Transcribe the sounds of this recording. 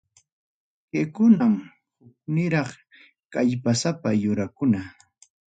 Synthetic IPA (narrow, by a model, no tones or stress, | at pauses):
kekʊnam | hʊk̚nɪɾɑχ | kaʎpasapajʊɾakʊna